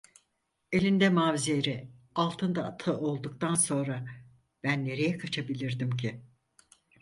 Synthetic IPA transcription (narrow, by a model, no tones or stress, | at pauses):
e̞lʲind̪ɛmaːvzijeɾi | alˠt̪ʰɯnd̪aːt̪ʰaʔo̞lˠd̪uk̚t̪ʰanso̞nɾa | b̥ænːe̞ɾe̞jɛkʰat͡ʃʰabilʲiɾd̪imcʰi